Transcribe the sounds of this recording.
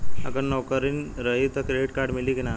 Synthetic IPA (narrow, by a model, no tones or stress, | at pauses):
ə̰kəɳnɔkəɾiːnɾəɦit̪əkɾeɖiʈkaɾɖmilikɛna